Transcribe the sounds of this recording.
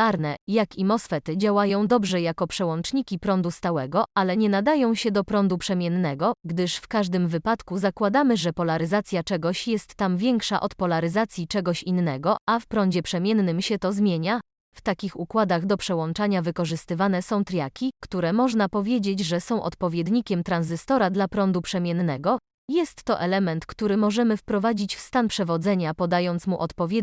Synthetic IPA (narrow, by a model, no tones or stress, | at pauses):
aɾnɛjakimɔsfɛt̪ɘd͡ʑawajɔ̃w̃d̪ɔbʐɛjakɔpʂɛwɔnt͡ʂɲikʲipɾɔnd̪ust̪awɛɡɔalɛɲɛnad̪ajɔ̃w̃ɕɛd̪ɔpɾɔnd̪upʂɛmʲjɛnːɛɡɔɡd̪ɘʂfkaʐd̪ɘmvɘpat̪kuzakwad̪amɘʐɛpɔlaɾɘzat̪sʲjat͡ʂɛɡɔɕjɛst̪ːamvʲjɛŋkʂa̰ʔɔt̪pɔlaɾɘzat̪sʲjit͡ʂɛɡɔɕinːɛɡɔafpɾɔnd͡ʑɛpʂɛmʲjɛnːɘmɕɛt̪ɔzmʲjeɲa | ft̪akʲixukwad̪aɣd̪ɔpʂɛwɔnt͡ʂaɲavɘkɔʐɘst̪ɘvan̪ɛsɔ̃w̃t̪ɾʲjakʲikt̪uɾɛmɔʐnapɔvʲjed͡ʑed͡ʑʐɛsɔ̃w̃ʔɔ̰t̪pɔvʲjed̪ɲikʲɛmt̪ɾanzɘst̪ɔɾad̪lapɾɔnd̪upʂɛmʲjɛnnːɛɡɔ | jɛst̪ːɔʔɛlɛmɛnt̪kt̪uɾɘmɔʐɛmɘfpɾɔvad͡ʑit͡ɕfst̪anpʂɛvɔd̪zɛɲapɔd̪ajɔnt̪smuʔɔt̪pɔvʲjɛd̪